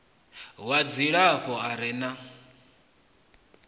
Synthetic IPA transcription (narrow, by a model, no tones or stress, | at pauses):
wad͡ziɺaɸɔaɾɛna